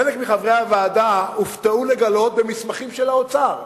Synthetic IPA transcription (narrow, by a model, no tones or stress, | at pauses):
elekmiχavʁehavaːd̪auft̪eule̞ɡalo̞t̪̚bemismaχimʃelaot͡saʁ